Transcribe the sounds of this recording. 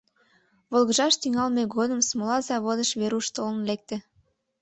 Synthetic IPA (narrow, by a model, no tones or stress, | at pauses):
βolɣəʒɑʃt̪yŋɑlmeɡod̪əmsmolɑzɑβod̪əʃβeɾuʃt̪olə̆nlek̚t̪ĕ